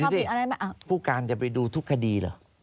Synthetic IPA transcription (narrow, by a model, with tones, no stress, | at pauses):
i˧˨nʔa˧ɾa˧jma˦˥ʔa˧˩pʰuː˥˩kaː˧nt͡ɕa˨˩pa˧jduː˧t̪ʰu˦˥kʰːa˧diː˧lə̰ː˧˩